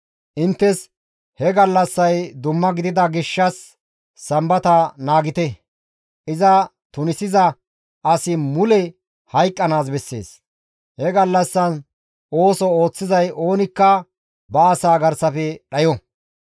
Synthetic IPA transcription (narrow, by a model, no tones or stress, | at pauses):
ʔɪnt̪ːɛs | hɛɡɐlːɐsːɐjd̪ʊmːɐɡɪd̪ɪd̪ɐɡɪʃːɐsː | ɐmbɐt̪ɐnaːɡɪt̪ɛ | ʔɪzɐ | t̪ʊnɪsɪzɐ | ʔɐsɪmʊlɛ | hɐjkʼːɐnaːs̬bɛsːe̞̰ːs | hɛɡɐlːɐsːɐn | o̞ːsɔo̞ːt͡sːɪzɐjʔo̞ːnɪkːɐ | bɐːsaːɡɐɾsɐfɛɗɐjɔ